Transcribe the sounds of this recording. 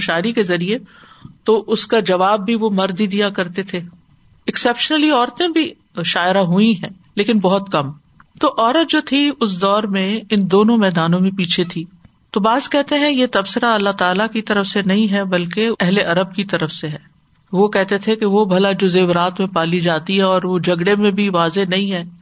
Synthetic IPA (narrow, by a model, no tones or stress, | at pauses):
ʃaːɪɾikezɐɾiet̪oʔʊskad͡ʒɐʋaːbːʱiʋomɐɾd̪id̪ijakɐɾt̪et̪ʰe | ɪksɛːpʃənəliɔːɾt̪ẽbʱi | ʃaːɪɾaɦuĩɦɛ̃ː | leːkɪnbɔɦʊt̪kɐm | t̪oʔɔːɾət̪̚d͡ʒoːt̪ʰiʊs̬d̪ɔːɾmẽɪnd̪oːnõmɛːd̪aːnõmẽpiːt͡ʃʰet̪ʰiː | t̪oːbaːzkɛɦt̪eɦɛ̃jet̪ɐbsəɾaɐlːat̪aːlakit̪ɐɾəfsenɐɦĩɦɛbɐlkeɛɦleʔɐɾəb̚kit̪ɐɾəfseɦɛː | ʋokɛɦt̪et̪ʰekeʋobʱɐlad͡ʒoːzeːbɾaːt̪mẽpaːlid͡ʒaːt̪iɦɛɔːɾʋod͡ʒɐɡɽemẽbʱiʋaːzenɐɦĩɦɛː